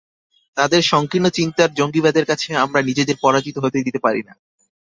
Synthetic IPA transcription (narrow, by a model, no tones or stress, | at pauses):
t̪ad̪eɾʃɔŋkɾinːot͡ɕint̪aɾd͡ʑoŋɡibad̪eɾkat͡ɕʰeamɾanid͡ʑed̪eɾpɔɾad͡ʑit̪oɦot̪ed̪it̪epaɾina̰